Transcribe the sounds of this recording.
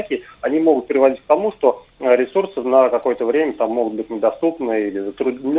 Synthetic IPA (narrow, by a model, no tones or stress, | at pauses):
kʲɪɐnʲimo̞ɡʊt̪̚pʲɪɾʲɪvɐdʲitʲk̚t̪ɐmuʂt̪o̞ | ɾʲɪsursɨnəkɐko̞jət̪əvɾʲemʲət̪amːoɡʊt̪̚bɨtʲnʲɪd̪ɐst̪upnɨilʲɪzət̪ɾʊd̪ʲnʲ